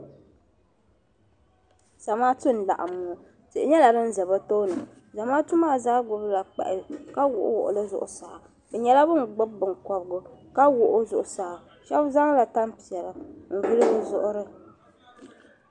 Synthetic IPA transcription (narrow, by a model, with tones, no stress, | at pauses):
sa˨maː˦tɨ˦n˨la̰˨ʔa˨mːo˨˦˨ | tɨ˨ʔɪ˨ɲɛ˦la˨ɾɨ˦n̩˦zɛ˨ba˦to˦nɨ˨ | za˨maː˦tu˦maː˦˨zaː˦ɡʊ˦bla˨k͡pɛ̰˨ʔɪ˨ɾɨ˨ka˦wʊ̰˨ʔʊ̰˦wʊ̰˨ʔʊ̰˨lɨ˦zʊ̰˨ʔʊ˨sa˨ | bɛ˨ɲɛ˦la˦bɨ˦ŋ˨ɡ͡bʊ˦bbɨ˨ŋ˨kɔ˨bɡʊ˦ka˦wʊ˨ʔʊ˦zʊ˨ʔʊ˨saː˨ | ʃɛ˦bza˦ŋ˦la˨ta˦mpi˨ɛ˨la˨n̩˨vɨ˦lɨ˦bɨ˨zʊ˦ʔʊ˦ɾɨ˦